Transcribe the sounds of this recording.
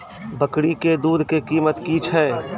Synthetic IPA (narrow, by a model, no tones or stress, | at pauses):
bəkɽiked̪uːd̪kekiːmət̪kit͡ʃʰɛː